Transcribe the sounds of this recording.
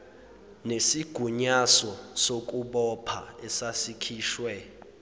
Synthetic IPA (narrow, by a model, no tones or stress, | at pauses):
nesiɡ̥ʱuɲasɔsok̬ʼuɓɔpʰa̰ɛsasikʰiːʃwɛ